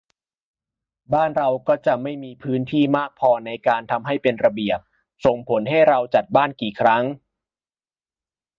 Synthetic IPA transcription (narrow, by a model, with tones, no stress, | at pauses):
baː˥˩nɾa˧wkɔː˥˩t͡ɕa˨˩ʔma˥˩jmiː˧pʰɯː˦˥nt̪ʰiː˥˩maː˥˩k̚pʰɔː˧na˧jkaː˧nt̪ʰa˧mɦa˥˩jpe˧nɾa˧bi˨˩əp̚ | so˨˩ŋpʰo˩˦nɦa˥˩jɾa˧wt͡ɕa˨˩t̪̚baː˥˩nkiː˨˩kʰɾa˦˥ŋ